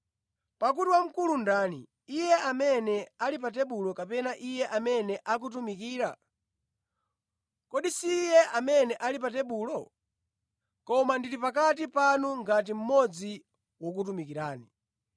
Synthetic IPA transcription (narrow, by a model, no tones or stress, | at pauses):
pakutiwam̩kulundaːnḭː | jɛʔamɛnɛalipat̬ɛɓulɔkapɛnaʔijɛʔamɛnɛʔak̬ut̬umikiːɾa̰ | kɔɗisiːjɛʔamɛnɛʔalipatɛɓuːlɔ | kɔmandiɾipak̬at̬ipanuŋɡat̬im̩mɔd͡zi | wɔkut̬umikiɾaːni